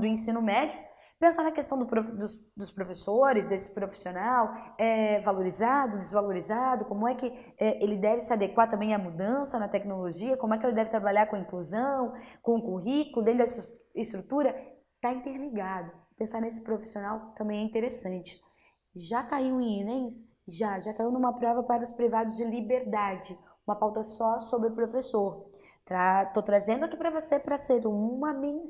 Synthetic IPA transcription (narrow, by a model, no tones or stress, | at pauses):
d̪ʊẽsĩnʊmɛd͡ʒiʊ | pẽsaɾnɐkest̪ɐ̃w̃d̪ʊpɾod̪ʊsd̪ʊspɾofesoɾɪzd̪esɪ̥pɾofi̥sionawɛvaloɾizad̪ʊd͡ʒ̪ɪzvaloɾizad̪ʊkõmʊɛkɪ | ɛʔelɪd̪ɛvɪsɪad̪ekwaɾt̪ɐ̃mbẽj̃ɐmud̪ɐ̃sɐnɐt̪ɛknoloʒiɐkõmʊɛkɪelɪd̪ɛvɪt̪ɾabaʎaɾkõɐ̃ĩkluzɐ̃w̃kõũkuɦikʊlʊd̪ẽnt̪d̪ɛsɪst̪ɾut̪uɾɐ | t̪aĩnt̪eɾmiɡad̪ʊpẽsaɾnes̬ɪ̥pɾofi̥sionawt̪ɐ̃mbẽj̃ɛĩt̪eɾesɐ̃nt͡ʃɪ̥ | ʒakaiwinẽj̃s | ʒaʒakaiwnũũmɐpɾɔvɐpaɾɐʊspɾivad̪ʊzd͡ʒɪlibeɾd̪ad͡ʒɪ | ũmɐpawt̪ɐsɔsobɾɪpɾofesoɾ | t̪ɾat̪ot̪ɾazẽnd̪ʊakipɾɐvosepɾɐseɾũmɐmẽ